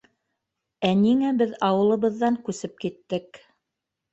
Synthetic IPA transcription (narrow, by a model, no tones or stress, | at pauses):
æniŋæbɘðɑwɤ̆lˠɤ̆βɤ̆ðːɑŋkʉsɘp̚kit̪ːɘk